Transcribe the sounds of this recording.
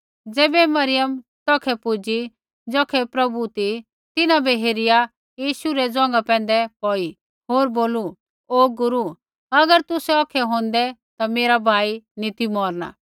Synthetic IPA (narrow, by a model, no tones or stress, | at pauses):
d͡zɛːbɛmɐɾɪjəmt̪ɔːkʰɛpʊd͡ʒi | d͡zɔːkʰɛpɾɐbut̪i | t̪ɪnãbɛɦeːɾɪja | jiːʃuɾɛd͡zɔ̃ːŋ̆ɡapɛ̃ːn̆d̪ɛpɔːi | ɦoːɾboːlu | oːɡʊɾu | ɐɡəɾt̪ʊsɛɔːkʰɛɦõːnd̪ɛt̪ameːɾabʱaːinɪt̪imɔːɾna̰